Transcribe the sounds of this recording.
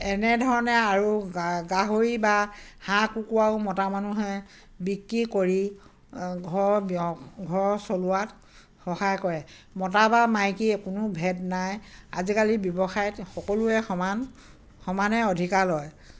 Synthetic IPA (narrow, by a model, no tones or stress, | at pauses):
ɛnɛdʱɔɹɔnɛaɹuɡaɦoɹibahãkukuwaʊmɔtamanuɦɛ | bikɹikoɹi | ɡʱɔɹbɡʱɔɹsolʊat | hɔhajkɔɹɛ | mɔtabamajkiɛkunʊbʱɛdnaja̰zikalibjɔbɔxajɔtxɔkoluɛxɔman | xɔmanɛodʱikalɔj